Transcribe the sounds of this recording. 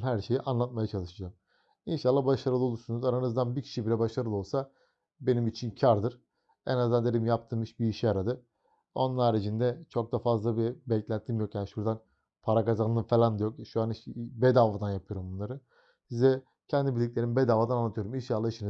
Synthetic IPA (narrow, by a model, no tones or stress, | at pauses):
nɦæɾʃe̞jiʔanlˠat̪̚majat͡ʃʰalˠɯʃɯd͡ʒam | inʃalˠːabaʃaɾɯlˠɯo̞lˠuɾsunuzaɾanɯzd̪anbiɾcʰi̥ʃibiɾɛbaʃaɾɯlˠɯo̞lˠsa | be̞nimit͡ʃʰincʰaɾd̪ɯɾ̥ | ɛ̰nazd̪and̪eɾʲimjapt̪ʰɯːmɯʃbiːʃiaɾad̪ɯ | o̞nnˠaɾed͡ʒind̪ɛt͡ʃʰo̞k̚d̪afazlˠabibɛclʲænt̪ʰːimjokjaːniʃuɾd̪an | pʰaɾakazanːˠɯfelʲand̪ajo̞kʃuaniʃbɛd̪aːvad̪anjapʰɯjo̞ɾumbunlˠaɾɯ | sizd̪ɛ | cʰɛnd̪ibilʲːic̬̚ʲlʲe̞ɾinbed̪aːvad̪ananːˠat̪ʰɯjo̞ɾuminʃalˠːaiʃini